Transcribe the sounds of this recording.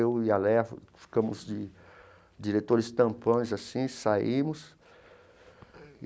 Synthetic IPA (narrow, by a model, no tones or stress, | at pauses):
ewialɛfi̥kɐ̃mʊzd͡ʒɪ | d͡ʒiɾet̪oɾɪst̪ɐ̃pɐ̃jʊzasĩsaĩmʊs